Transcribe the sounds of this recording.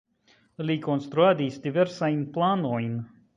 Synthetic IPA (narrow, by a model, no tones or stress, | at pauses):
lʲiːkɔnst̪ɾuad̪iːst̪ivʲɛɾsajnplˠaːnuːjin